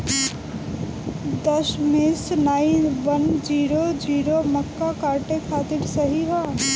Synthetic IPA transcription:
d̪ɐʃmeːsnaːĩʋɐnd͡ʒiːɾod͡ʒiːɾomɐkːakaːɾʈẽkʰaːt̪ɪɾsəɦiɦãː

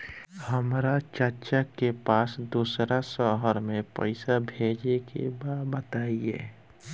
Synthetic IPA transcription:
həmɾat͡ʃət͡ʃakːepaːsd̪uːsɾasɔɦəɾmẽpə̰ɪsabʱed͡ʒekḛbabət̪aːiḛː

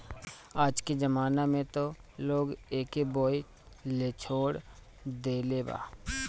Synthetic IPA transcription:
aːd͡ʒked͡ʒəmaːnamẽt̪oloːɡeːkeboːi | let͡ʃʰoːɽ | d̪eːleba̰ː

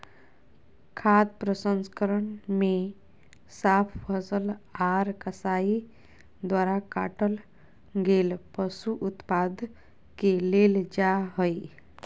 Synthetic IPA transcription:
kʰad̪pɾəsənskəɾəɳme | sapʰpʰəsəlaɾkəsai | d̪ʋaɾaka̰ʈəl | ɡelpəsuʔut̪pad̪ | keleld͡ʑaɦəj

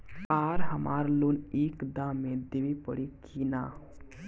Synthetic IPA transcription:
kaːɾɦəma̰ːɾloːneːkd̪ãːmːẽd̪eːʋepə̰ɽekʰiːnaː

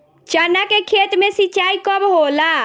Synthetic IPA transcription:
t͡ʃənakekʰet̪mesiːt͡ʃaikəbɦola

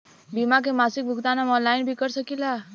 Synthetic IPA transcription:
bimak̬emasik̚bʱʊɡt̪anamɔnlajinbʱikəɾsəkila

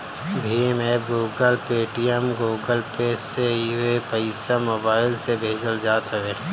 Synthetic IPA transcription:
bʱiːmeːɡoːɡəlpeːʈijəmɡoːɡəlpeːseiʋepəɪsamoːbaːɪlsebʱeːd͡ʒəld͡ʒaːt̪ɐɡeː

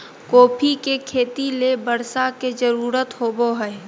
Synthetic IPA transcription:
koːpʰikekʰeːt̪ilebəɾsaked͡ʒəɾuːɾət̪ɦoːboɦɛː

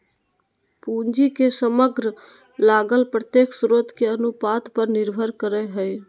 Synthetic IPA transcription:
puːnd͡ʒikesəməɡɾ | laːɡəlpɾət̪jeːksɾot̪keənupat̪pəɾnɪɾbʱəɾkəɾəɦəj

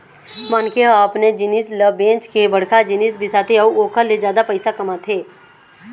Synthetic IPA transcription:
mankeɦaːpned͡ʒɪnislɐbẽːnt͡ʃkebɐɽ̤kʰad͡ʒɪnisbɪsat̪ʰeɐuoːkʰəled͡ʒjaːd̪apɐɪsakɐmat̪ʰeː

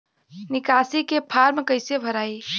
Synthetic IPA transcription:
nɪkasikepʰaɾmkəɪsebʱəɾai

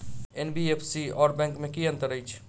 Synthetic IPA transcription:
enbiepʰsiɔːɾbɛ̃ŋkmẽkiə̃nt̪əɾəjt͡ʃʰ

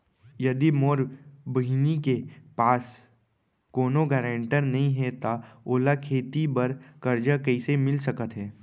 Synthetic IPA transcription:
jɐd̪imoːɾbəɦinikepaːs | koːnoɡɛːɾə̃ːɳʈəɾnɐɦĩɦɛt̪aoːlakʰeːt̪ibɐɾkɐɾd͡ʒakɐisemɪlsɐkət̪ɦɛː

